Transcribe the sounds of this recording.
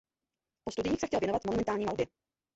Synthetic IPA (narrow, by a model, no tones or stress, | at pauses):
post̪udɪɲiːxsɛxcɛlvjɛnovat̪monumɛnt̪aːlɲiːmalbjɛ